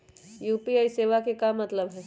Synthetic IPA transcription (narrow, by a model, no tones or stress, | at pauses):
juːpiaːiseːʋakekamɐt̪ləbɦɛː